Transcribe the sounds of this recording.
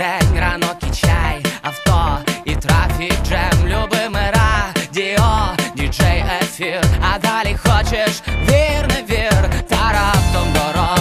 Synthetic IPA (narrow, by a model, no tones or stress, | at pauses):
ɛnʲɾanokʲɪt͡ɕajɐft̪oit̪ɾafʲik̚ʐɛmlʲʊbɨmɨɾadʲeɔdʲiʐɛjɛfʲiɐd̪alʲɪxot͡ɕɪʂvʲernɨvʲert̪aɾaft̪ɔmɡ̪ɔɾɔ